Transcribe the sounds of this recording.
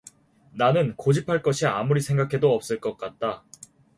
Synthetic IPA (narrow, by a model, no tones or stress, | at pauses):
nanɯnkod͡ʑipʰaɭk͈ʌɕʰiamuɾisʰe̞ŋɡakʰe̞doʌp̚s͈ɯɭk͈ʌk̚k͈at̚t͈a